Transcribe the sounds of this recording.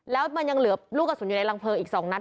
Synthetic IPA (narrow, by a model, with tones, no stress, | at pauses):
lɛː˦˥wma˧nja˧ŋlɯ˨˩˦ɐluː˥˩ka˧˩suː˨˩˦nju˨˩na˧jla˧ŋpʰɤː˧ʔiː˨˩k̚sɔː˩˦ŋna˦˥